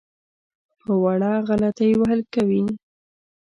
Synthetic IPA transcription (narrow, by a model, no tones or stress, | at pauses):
pəwaɽɑɣalat̪ajwaɦalkawin